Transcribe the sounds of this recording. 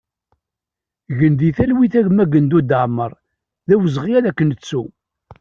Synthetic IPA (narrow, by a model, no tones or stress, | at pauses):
ɣənd̪iθælwiθæʝmæɡənd̪ud̪əʕməɾˤ | ðæwəzʁijæðækːənət͡sːu